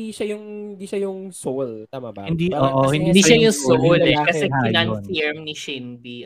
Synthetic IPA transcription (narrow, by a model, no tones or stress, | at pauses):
iʃɐjʊŋhɪnd̪iʃɐjʊŋsowlt̪amabahɪnd̪iʔoːʔohɪnd̪id̪iʃajʊŋsolɛkɐsɛɪnanfɪɹmnɪʃɪnd̪i